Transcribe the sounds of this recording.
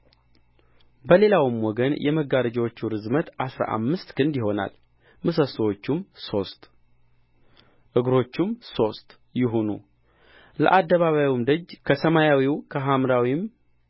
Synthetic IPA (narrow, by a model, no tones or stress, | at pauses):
bəle̞lawɨmwɔɡənjʔɛ̰məɡːaɾəd͡ʒɛwot͡ʃːuɾɨzmət̪ʔasɾa̰ʔa̰mːɨst̪kʰɨnd̪jɪɦo̞na̰l | mɨsəswot͡ʃːumso̞st̪ | ʔɨɡɾo̞t͡ʃːumso̞st̪ | jɪɦunṵ | lə̰ʔad̪ːəβaβajumd̪əd͡ʒkʰəsəmajawiwkʰəɦamɾawim